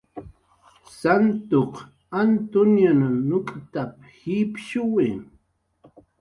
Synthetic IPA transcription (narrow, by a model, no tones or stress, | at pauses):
sant̪oq | ant̪ʊnjananʊkʼt̪ap | hipʃʊwɪ